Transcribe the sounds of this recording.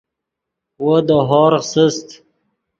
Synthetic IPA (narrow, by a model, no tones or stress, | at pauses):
wod̪əɦɔːɾsəst̪